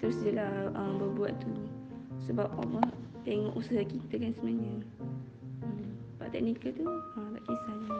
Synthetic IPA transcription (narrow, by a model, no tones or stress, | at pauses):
t̪əɾʊsdəlahəmbərbuat̪t̪u | səbap̚ɔ̰məht̪eŋɔʔusaɦakit̪əkansəmnaɲə | əmba̰ʔt̪ɛk̚nikət̪uət̪aʔkisana